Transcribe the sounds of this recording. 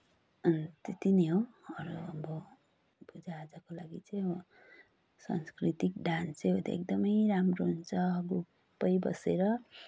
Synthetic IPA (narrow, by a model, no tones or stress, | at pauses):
ʌnt̪et̪ineɦoʌɾuʌbʌ | bʱud͡zaːd͡zʌkolaɡit͡sʌj̃bʌ | sa̰nskrit̪ikɖanseɦot̪a̰ḛk̚d̪ʌmʌjɾamroɦunt͡sʰʌɡuppːʌjbʌ̰seɾʌ